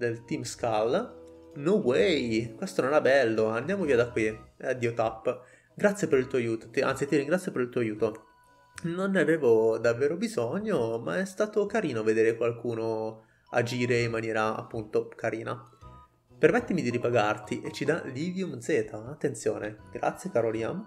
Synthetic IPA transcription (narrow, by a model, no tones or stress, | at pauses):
d̪elt̪imskal | nuwejkwest̪ononɛbɛlːoand̪jaːmoviːad̪akːwiad̪iːot̪apː | ɡɾat̪sjepeɾilt̪uoajuːt̪o̥t̪ia̰nt̪it̪iriŋɡɾat̪sːjopeɾilt̪uoajuːt̪o | nonːaveːvod̪avːeːɾobizɔɲːoma̰ɛst̪aːt̪okaɾiːnoved̪eːɾekwalkuːno | a̰d͡ʒiːɾeimːanjɛːɾaa̰pːunt̪okaɾiːna̰ | permɛt̪ːimid̪iɾipaɡart̪iʔet͡ʃːid̪alivjumd̪zeːt̪ʰaːt̪ːent̪sjoːneɡɾa̰t̪sjekaɾoliːna